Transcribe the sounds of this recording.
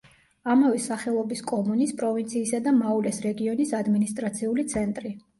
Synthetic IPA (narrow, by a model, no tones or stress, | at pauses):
amavɛsaχɛlˠɔbiskʼɔmunispʼɾɔvint̪sʰiːsad̪amaulɛsɾɛɡiɔnisad̪minist̪ʼɾat̪sʰiulit̪sʰɛnt̪ʼɾi